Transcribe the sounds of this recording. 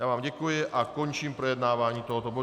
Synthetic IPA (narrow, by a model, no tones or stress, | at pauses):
jaːvaːmɟɛkujɪʔakoɲt͡ʃiːmpɾɛjɛd̪naːvaːɲiːt̪oɦɔt̪obo